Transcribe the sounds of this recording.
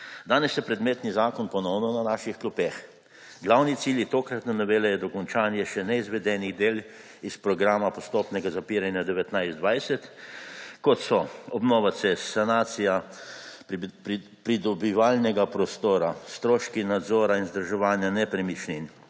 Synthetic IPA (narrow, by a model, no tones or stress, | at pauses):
d̪aːnɛsjɛpɾɛd̪meːt̪nizaːkɔnpɔnɔwnɔnanaːʃixklupex | ɡlawnit̪siljit̪oːkɾat̪nanɔʋeːlɛjɛd̪ɔkɔnt͡ʃaːnjɛʃɛnɛizʋɛd̪ɛːniɣd̪eːl | ispɾɔɡɾaːmapɔst̪oːpnɛɡazapiɾanjad̪ɛʋɛt̪najzd̪ʋajsɛt̪ | kɔt̪sɔɔbnɔːʋasɛssanaːt̪sija | pɾid̪ɔbiʋaːlnɛɡapɾɔst̪oːɾast̪ɾoːʃkinad̪zoːɾainzd̪ɾʒɛʋaːnjanɛpɾɛmit͡ʃnin